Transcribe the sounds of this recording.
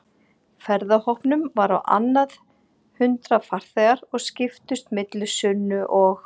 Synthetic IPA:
fɛɾðahɔhpnʏmvaɾawʔa̰nːað | hʏnt̪ɾafar̥θɛɣaɾɔɣscɪft̪ʏst̪mɪt̪lʏsʏnːʏʔɔɣ

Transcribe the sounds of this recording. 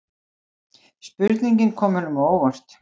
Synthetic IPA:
spʏɾt̪niɲcɪnkʰɔːmʏnʏmoːwvar̥t̪

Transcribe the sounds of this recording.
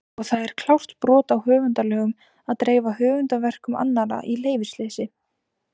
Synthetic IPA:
ɔɣθaðɛɾ̥kʰl̥awst̪pɾɔːt̪awɦœːvʏnt̪alœːɣʏm | aðt̪ɾeːjvaɦœːvʏnt̪avɛr̥kʏma̰nːaɾa̰ʔileːjvɪ̥sleːsɪ

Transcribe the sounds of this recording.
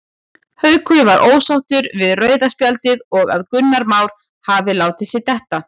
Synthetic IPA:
hœɥkʰʏvaɾʔoːwsawht̪ʏɾvɪðrœːɥðaspjalt̪ɪðɔɣa̰ðkʏnːaɾmaːwɾ̥ | havɪlaːwt̪ɪsɪt̪ɛht̪a

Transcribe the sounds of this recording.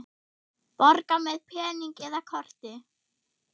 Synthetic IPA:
pɔɾkamɛðpʰɛːniŋkɛðakʰɔr̥t̪ɪ

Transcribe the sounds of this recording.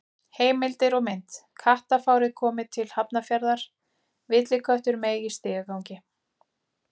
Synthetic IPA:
heːjmɪlt̪ɪɾɔmɪn̥t̪kʰaht̪afaːwɾɪkʰɔːmɪðt̪ʰɪlhapnafjaɾðaɾ̥ | vɪt̪lɪkʰvœht̪ʏɾmeːjɣist̪ɪːɣakawɲcɪ

